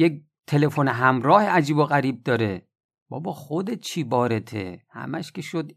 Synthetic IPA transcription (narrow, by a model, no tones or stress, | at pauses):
jek̚ | t̪ʰe̞lefoneɦæmɾɒːheæd͡ʒiːboɣæɾiːb̚d̪ɒːɾe | b̥ɒ̰bɒːxod̪et̪̚t͡ʃʰiːbɒːɾet̪ʰḛhæ̰mæʃkʲʰeʃod̪